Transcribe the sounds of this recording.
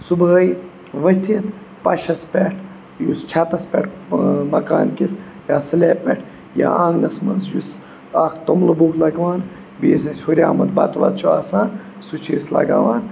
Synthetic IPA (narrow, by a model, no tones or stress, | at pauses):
subəj | ʋɐt̪ʰit̪ | pɐʃɐspʲeʈʰ | just͡ʃʰɐt̪ɐspʲɛʈʰmɐkaːnkis | jaːsɐleːpʲḛʈʰ | ja̰aːŋnɐsmɐnzjus | akt̪ɐmlɐbuːklɐɡʋaːn | biːs̬ɐsʲhoɾʲaːmɐt̪bɐt̪ʋɐ̰t̪̚t͡ʃʰuaːsaːn | sut͡ʃʰiislɐ̰ɡa̰ːʋaːn